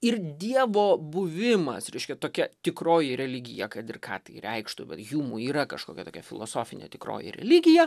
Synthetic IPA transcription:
ɪrd̪ʲiɛʋoːbʊʋʲɪmɐ̰sɾʲɛɪʃʲkʲɛt̪oːkʲɛt̪ʲɪkroːjɪɾʲɛlʲɪɡʲɪjɛkɐt̪ɪrkɑ̰ːt̪ɐɪɾʲɛɪkʃt̪ʊbʲɛ̰t̪juːmuːiːɾɐkɐʃko̰ːkʲɛt̪oːkʲɛfʲɪlˠo̰ːsoːfʲɪnʲḛːt̪ʲɪkɾo̰ːjḭɾʲɛ̰lʲɪɡʲɪjɛ

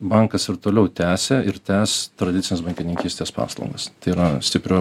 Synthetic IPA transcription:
bɐŋkɐsɪɾt̪oːlʲɛʊt̪ʲæːsʲeːɪɾt̪ʲæːst̪ɾɐd̪ʲɪt̪sʲɪnʲɛsbɐŋʲkʲɪnʲɪŋʲkʲiːsʲt̪ʲeːspɑ̰ːslˠɐ̰ʊŋɡɐst̪ɐɪiɾɐsʲt̪ʲɪpʲɾʲoː

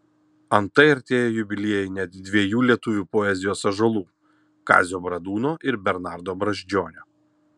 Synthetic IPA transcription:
ɐnt̪ɐɪɐɾʲt̪ʲeːjoːjʊbʲɪlʲiɛjɛɪnʲɛt̪d̪ʲʋʲiɛjuːlʲiɛt̪ʊʋʲuːpɔɛzʲɪjoːsɐʒɐlˠuː | kɑ̰ːzʲoːbɾɐd̪uːnoːʔɪɾbʲɛɾnɑːˑɾd̪oːbɾɐʒʲd͡ʒʲoːnʲoː

